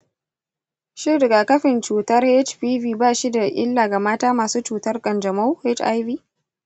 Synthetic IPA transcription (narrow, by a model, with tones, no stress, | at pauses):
ʃɪ˦dɡa˨kɐ˦ɸɪ˨nt͡ʃuː˨tɐ˦rhe˦t͡ʃɸiː˦viː˦baː˦ʃi˦da˨ʔɪ̰˦lːaː˨ɡa˨maː˦taː˦maː˨suː˦t͡ʃuː˨tɐ˦rkʼɐ˨nd͡ʒɐ˨ma˦whe˦t͡ʃa̰˦jviː˦